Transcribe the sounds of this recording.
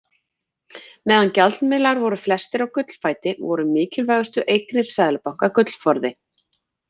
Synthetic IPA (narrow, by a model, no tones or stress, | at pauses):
mɛːðancat̪nmɪlaɾvɔɾʏflɛst̪ɪɾawkʏt̪l̥faːjt̪ɪvɔɾʏmɪːcɪlvaːɣʏst̪ʏʔejknɪɾ̥saːðlʏpawhkakʏt̪l̥fɔɾðɪ